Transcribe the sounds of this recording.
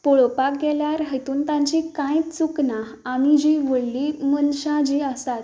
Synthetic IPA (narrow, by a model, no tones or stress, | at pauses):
poɭopak̚ɡɛljaɾɦət̪uːnt̪ãɲt͡ɕikãjt͡sukna | amid͡ʑiʋəɽlimənɕãd͡ʑiːəst̪at̪